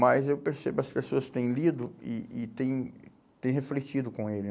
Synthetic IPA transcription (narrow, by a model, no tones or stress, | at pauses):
mɐjzewpeɾsebʊɐspesoɐst̪ẽj̃lid̪ʊɪ̰ɪt̪ẽj̃ | t̪ẽj̃ɦeflet͡ʃid̪ʊkõelɪ